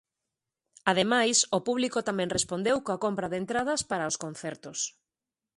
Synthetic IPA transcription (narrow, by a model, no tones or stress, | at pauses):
að̞emajsʊpuβlikot̪amɛ̃ŋrespond̪ewkoakompɾɐðent̪ɾað̞ɐspaɾɐoskõnθɛɾt̪ʊs